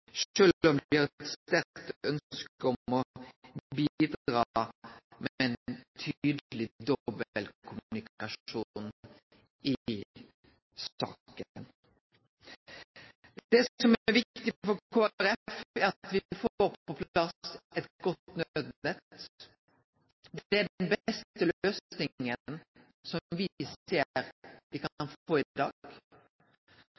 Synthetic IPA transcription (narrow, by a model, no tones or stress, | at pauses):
ʃøːɔmd̪ɪʁɛt̪st̪æɾkt̪œnskəɔmɔ | bid̪ɾɑ | mɛɛnt̪ʰːyːd̪əlɪd̪ɔbəəlkʰʊmnɪkɑʂuːn | ɪ | sɑ̰ːkən | d̪̥ɛsɔmæɾʋɪkt̪ɪfɔɾkʰoːæɾɛfæɾɑt̪ʋɪfoːpɔpʰlɑsɛt̪ɡ̥ɔt̪nød̪nɛt̪ | d̪ɛæɖnbɛst̪əløːsnɪŋə | sɔmʋɪseːɾʋɪkɑnfoːɪd̪ɑ̰ːɡ̥